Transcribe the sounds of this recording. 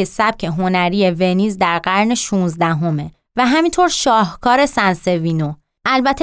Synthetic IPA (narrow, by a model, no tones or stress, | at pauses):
esæb̥̚cʰe̞ɦo̞næɾiːjeve̞niːzd̪æɾɢæɾneʃuːnzd̪æɦome̞ | væɦæmiːnt̪ʰoɾʃɒːhkʰɒːɾe̞sænse̞viːno | ʔælbæt̪ʰe